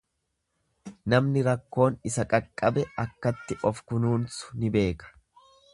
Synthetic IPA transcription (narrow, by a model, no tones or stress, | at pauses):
nɐmnɪɾɐkːo̞ːnɪsɐkʼɐkʼːɐbɛɐkːɐt̪ːɪʔɔfkʊnuːnsʊ̥nɪbe̞ːkɐ̥